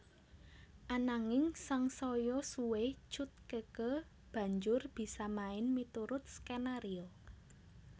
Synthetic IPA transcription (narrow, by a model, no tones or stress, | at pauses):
ʔanaŋɪŋsaŋsɔjɔsuwɪht͡ʃʊt̪̚kəkə | b̥ä̤ɲd͡ʒʊrb̥i̤samaɪnmit̪uɾʊt̪̚skenaɾiɔ